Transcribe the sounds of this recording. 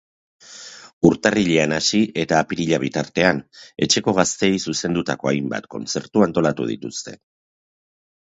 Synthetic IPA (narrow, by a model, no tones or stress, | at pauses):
uɾt̪ariʎe̞anasiʔe̞t̪aːpiɾiʎaβ̞it̪aɾt̪e̞ane̞t͡ʃe̞ko̞ɣ̞ast̪e̞jsuse̞nd̪ut̪ako̞ajmba̰t̪ko̞̰nt͡se̞ɾt̪uant̪o̞lat̪uð̞ḭt̪ust̪e̞̰